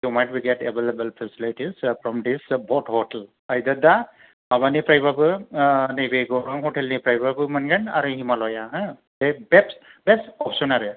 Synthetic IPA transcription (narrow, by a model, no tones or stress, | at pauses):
jumajʈ̚biɡɛʈebelebəlpʰɛsiliʈizpʰɾɔmd̪isbʱɔʈhɔʈel | ajd̪ad̪a | abanipɾajbabɯnebeɡɔɾɔŋɦɔʈelnipɾajbabɯmanɡana̰ɾɯɦimalɔjaɦã | d̥ebɛpsbesɔpsɔnaɾɯ